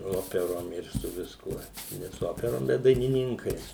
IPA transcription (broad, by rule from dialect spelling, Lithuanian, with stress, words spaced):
ˈoːpʲɛroːm ɪr sʊ ʋʲɪsˈkuɔ ˈnʲɛ sʊ ˈoːpʲɛroːm bʲɛt dɐɪnʲɪˈnʲɪŋkɐɪs